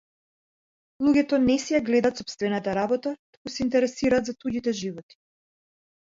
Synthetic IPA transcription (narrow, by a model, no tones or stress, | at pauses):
lˠuɡʲɛt̪ɔnɛsɛjaɡlɛd̪at̪sɔpst̪vɛnat̪aɾabɔt̪at̪u̥kusɛint̪ɛɾɛsiɾaːt̪zat̪uɟit̪ɛʒivɔt̪i̥